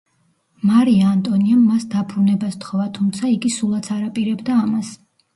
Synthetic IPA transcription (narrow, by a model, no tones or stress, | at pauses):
maɾiaːnt̪ʼɔniamːasd̪abɾunɛbast̪χɔvat̪ʰumt̪sʰaiɡisulˠat̪sʰaɾapʼiɾɛbd̪aːmas